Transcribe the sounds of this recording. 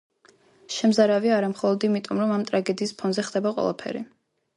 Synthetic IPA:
ʃɛmzaɾaviaːɾamχɔlˠɔd̪imit̪ʼɔmɾɔmamt̪ʼɾaɡɛd̪iːspʰɔnzɛχd̪̥ɛbaqʼwɛ̰lˠapʰɛ̰ɾḭ

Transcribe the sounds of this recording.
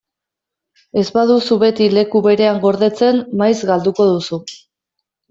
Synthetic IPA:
e̞zbað̞usuβe̞t̪ile̞kuβe̞ɾe̞aŋɡo̞ɾðe̞t͡se̞nːajzɡald̪uko̞ðusu

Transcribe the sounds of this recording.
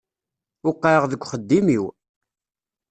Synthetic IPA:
ʊqːəəʁðəkʷːχəd̪ːimiw

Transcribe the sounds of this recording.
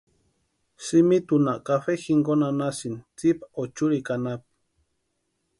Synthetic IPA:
simit̪unaʔkaɸexiŋɡonanasint͡sipaot͡ʃuɾikanap̚

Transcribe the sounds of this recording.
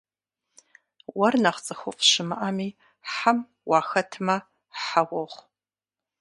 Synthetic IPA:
wɐrnaχt͡sʼɨxʊfʼʃɪmɨ̰ʔamiː | ħam | wɑːxɐtʰmɐ | ħawɔʁʷ

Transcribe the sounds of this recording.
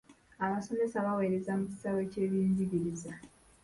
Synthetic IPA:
aβasonesaβawe̞ːɾe̞zamuci̥saβe̞ce̞ːβjiːɲziɡiɾiza

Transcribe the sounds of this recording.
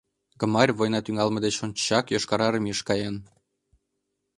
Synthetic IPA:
ɡə̆mɑrʲβojnɑt̪yŋɑlmɤ̆d̪et͡ɕont͡ɕːɑkjoʃkɑɾɑɾə̆miʃkɑjɑn

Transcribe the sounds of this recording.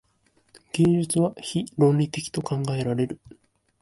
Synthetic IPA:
ɡ̥ẽ̞ɲd͡ʑɨt͡sɨβaçiɾõ̞nɾʲit̪e̞kʲi̥t̪o̞kãŋɡae̞ɾaɾe̞ɾɯ̟

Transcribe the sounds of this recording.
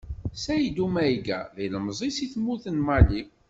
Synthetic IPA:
sæjd̪umæjɡæ̰ðæjləmzˤisiθmːuθənmɑli

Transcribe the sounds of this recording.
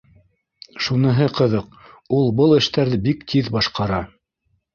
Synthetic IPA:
ʃunɤ̆ɦɤqɤ̆ðɤq | ulˠbɤlˠɘ̆ʃt̪æɾðɘbikt̪ʰiðbɑʃqɑɾɑ

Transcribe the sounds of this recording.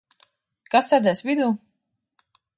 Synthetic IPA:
kasɛɾd̪ɛsvʲid̪uː

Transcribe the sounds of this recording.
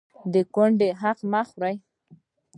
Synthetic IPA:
d̪əkʊɳɖeɦaqmaxɾaj

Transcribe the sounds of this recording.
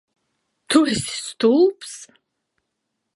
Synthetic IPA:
t̪ʰuɛsi̥st̪ʰulps

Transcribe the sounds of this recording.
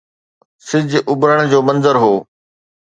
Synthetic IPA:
sɪd͡ʑʱʔʊbɾəɽ̃d͡ʑoːmɐ̃nzəɾɦoː

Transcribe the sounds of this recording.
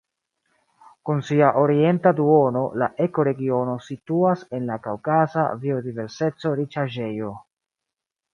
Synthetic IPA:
kunsiaʔo̞ɾie̞ntaduo̞no̞laʔe̞ko̞ɾe̞ɡio̞no̞situase̞nlakawkasa̰vio̞dive̞ɾse̞t͡so̞ɾit͡ʃaʒe̞jo̞

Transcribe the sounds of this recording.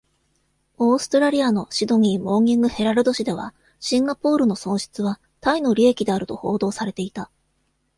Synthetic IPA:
o̞ːsɨ̥t̪oɾaɾʲiano̞ɕid̪o̞ŋ̟ʲimo̞ːŋʲĩŋɡɯ̟he̞ɾaɾɯ̟d̪o̞ɕid̪e̞βa̰ | ɕĩŋɡapo̞ːɾɯ̟no̞sõ̞ɰ̃ɕi̥t͡sɨβa | t̪aino̞ɾʲie̞kʲid̪e̞aɾɯ̟t̪o̞ho̞ːd̪o̞ːsaɾe̞t̪e̞it̪a

